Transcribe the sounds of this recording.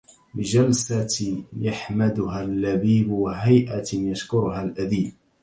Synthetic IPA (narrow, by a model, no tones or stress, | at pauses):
bɪd͡ʒalsat̪jaħmad̪ʊɦalːabiːbwaɦajʔajaʃkʊɾʊɦalʔad̪iːb̚